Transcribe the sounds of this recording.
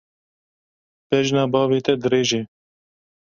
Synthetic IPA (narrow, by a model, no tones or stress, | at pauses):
pɛʒnɑːbɑːveːt̪ɛd̪ɨɾeːʒeː